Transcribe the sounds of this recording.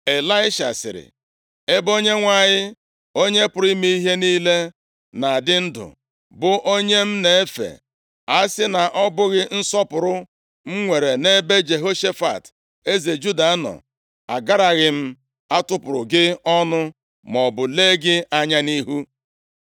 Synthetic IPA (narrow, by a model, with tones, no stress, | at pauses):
e˨la˦ɪ˦ʃa̰˨sɪ̰˨ɾɪ̰˨ | e˦bo˦ɲe˦ŋʷa˨ɲɪ˦ | o˦ɲe˦pʊ˨ɾi˦mi˦i˦ɦe˦niː˦le˦ | na˨dɪ˦n̩˦dʊ̰˨ | bʊ˨ʔo˦ɲe˦m̩˦ne˨e˦fḛ˨ | a˦sɪ˦na˨ʔɔ˦bʊ˦ɣɪ˦n̩˦sɔ˦pʊ˨ɾʊ˦ | m̩˦ŋʷe˨ɾe˨ne˦be˦d͡ʒe˨ɦo˦ʃe˦fa̰˨t | e˦ze˨d͡ʒu˦da˨˦nɔ̰˨ | a̰˨ɡa˦ɾa˨ɣɪ˨m̩˦ | a˦tʊ˦pʊ˨ɾʊ̰˨ɡɪ˦ɔ˦nʊ˦ | mɔ˨bʊ˨le˦ɡɪ˦ʔa˦ɲa˦ni˦ɦu˦